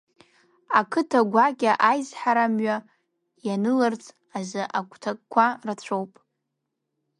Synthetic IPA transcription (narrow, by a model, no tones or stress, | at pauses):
akʰɨtʰaɡʷaɡʲʼaʔajzħaɾamɥa | janɨlart͡sʰʼ | azɨʔaɡʷʰʼtʰak̚ʼkʷʰarat͡ɕʷʰowpʼ